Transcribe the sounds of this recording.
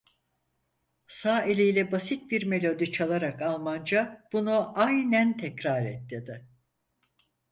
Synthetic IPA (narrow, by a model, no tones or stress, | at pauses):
saːelʲijlʲɛbasit̪̚biɾme̞lʲo̞d̪it͡ʃʰalˠaɾakalˠmand͡ʒab̥unuʔajnænt̪ʰɛcɾaɾɛt̪ːed̪ɪ